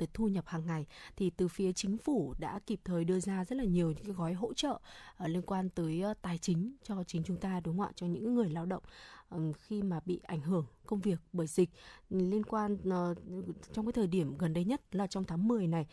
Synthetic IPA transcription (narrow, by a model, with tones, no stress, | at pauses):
ə˨˦jt̪ʰu˧ɲə˨˩p̚haː˨˩ŋːa˨˩jt̪ʰi˨˩t̪ɨ˨˩fi˨˦ət͡ɕï˨˦ŋ̟fu˧˩ɗa̰ː˧˥ki˨˩p̚t̪ʰəː˨˩jɗɨ˧əzaː˧zə˦˥t̚laː˨˩ɲi˨˩əwɲɨ̰˧˥kaː˨˦jɣɔ˨˦jɦo̰˧˥t͡ɕə̰ː˧˨˩li˧ənkwaː˧nt̪əː˨˦jt̪aː˨˩jt͡ɕï˨˦ŋ̟t͡ɕɔ˧t͡ɕï˨˦ŋ̟t͡ɕʊ˨˦ŋ͡mt̪aː˧ɗʊ˨˦ŋ͡ma̰ː˧˨jt͡ɕɔ˧ɲɨ̰˧˥ŋ˨˦ŋɨ˨˩əjlaː˧wɗə̰˧˨wŋ͡mxi˧maː˨˩ɓḭ˧˨ʔa˧˩jŋ̟ɦɨ˧˩əŋkə˧wŋ͡mvi˨˩ək̚ɓəː˧˩jzi˨˩k̟̚li˧ənkwaː˧n˧ | t͡ɕŋ͡mkaː˨˦jt̪ʰəː˨˩ɗi˧˩əmɣə˨˩nɗə˧jɲə˦˥t̚laː˨˩t͡ɕɔ˧wŋ͡mt̪ʰaː˨˦ŋmɨ˨˩əjna˨˩j